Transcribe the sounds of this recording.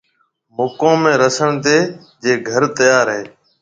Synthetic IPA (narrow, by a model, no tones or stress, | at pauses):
moːkõːmẽːɾəsəɳt̪eː | d͡ʒeːɡʱəɾt̪əjaːɾɦeː